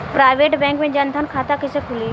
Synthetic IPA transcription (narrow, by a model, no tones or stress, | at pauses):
pɾaːɪʋeːʈbɛ̃ːŋkmẽd͡ʒɐnd̪ʱənkʰaːt̪akɪsekʰʊliː